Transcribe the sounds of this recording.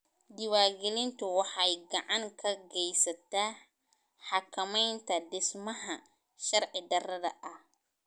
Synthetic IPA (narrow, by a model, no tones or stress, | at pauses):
d̪ɪwaːɡɛlɪnt̪ʰʊwɑħɑjɡɑʕɑŋkʰɐɡɛjsɐt̪ʰaː | ħɑkʰɐmɛjnt̪ʰɐdɪsmɐɦɐ | ʃɐɾʕɪd̪ɐɾɐðɐ̰ʔɐh